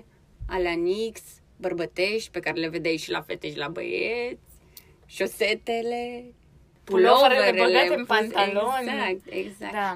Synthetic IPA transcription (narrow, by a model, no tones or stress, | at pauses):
aleaniks | bərbət̪eʃt̪ʲpekaɾeleved̪ejʃila̰fet̪eʃilabə̰jet̪sʲ | ʃoset̪ele | puloɾəeɾelaenfant̪loak̚t̪eɡzak̪